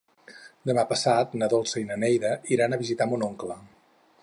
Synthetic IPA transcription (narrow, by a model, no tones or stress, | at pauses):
d̪əmapəsat̪nəðolˠsəinənɛjðəiɾanəβizit̪amunoŋklə